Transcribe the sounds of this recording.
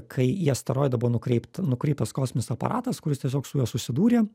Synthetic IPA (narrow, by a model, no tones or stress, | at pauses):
kʰɐɪiɛst̪ɐɾoːjd̪ɐbuʋoːnʊkɾʲɛɪpt̪nʊkɾʲɛɪp̚t̪ɐskoːsʲmʲɪnʲɪsɐpɐ̰ɾʔɑːt̪ɐskʊɾʲɪst̪ʲiɛs̬ʲoːksʊjuːsʊsʲɪd̪uːɾʲeː